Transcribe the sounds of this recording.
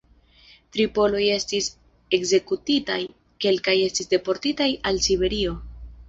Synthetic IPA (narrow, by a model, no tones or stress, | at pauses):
tɾipo̞lo̞je̞stis | e̞kze̞kutitaj | ke̞lkaje̞stisde̞po̞ɾtitajalsibe̞ɾio̞